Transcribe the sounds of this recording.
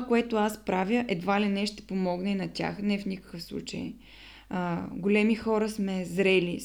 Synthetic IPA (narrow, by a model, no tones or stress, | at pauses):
koɛt̪oaspɾavʲjəʔɛd̪valinɛʃt̪ɛ̥pomɔɡnɛnɐt̪ʲa̰xnɛfnʲikə̥kɤfslˠṵt͡ʃə̰j | ɡolɛmixɔɾəsmɛzɾɛli